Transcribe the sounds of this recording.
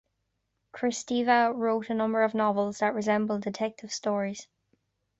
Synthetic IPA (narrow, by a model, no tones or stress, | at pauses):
kʰɹ̥ɪstivəɹoʊtənʌ̃mbə˞əvnɒvəlˠzðəʔɹɪzɛ̃mbəlˠdɪtʰɛk̚tʰɪv̥stɔːɹiz̥